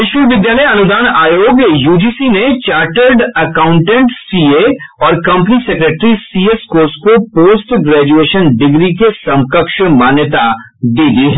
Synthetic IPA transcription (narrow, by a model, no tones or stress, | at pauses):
ɪʃʋəʋɪd̪jaːləjɐnʊd̪aːnaːjoːɡjjuːd͡ʒiːsinet͡ʃaːɾʈəɾɖɐkãːʊ̃ɳʈẽɳʈsiːeɔːɾkɐ̃mpənisekɾeːʈɾisiːeskoːskopoːsʈɡɾɛːd͡ʒueːʃənɖɪɡɾikesɐ̃mkəkʃmaːnjət̪a | d̪iːd̪iɦɛ